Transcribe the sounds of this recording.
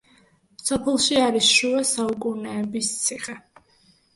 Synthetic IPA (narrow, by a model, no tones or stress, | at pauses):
sɔpʰɛlˠʃiaɾisʃuɛsaukʼunɛːbist̪sʰiχʼɛ